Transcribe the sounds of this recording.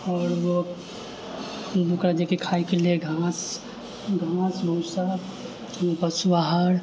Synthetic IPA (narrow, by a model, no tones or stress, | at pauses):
ɔːɾwo | bukɾad͡ʒekekʰaːikelieɡʱãːs | ɡʱãːsbəʊsa | bəswaɦəɾ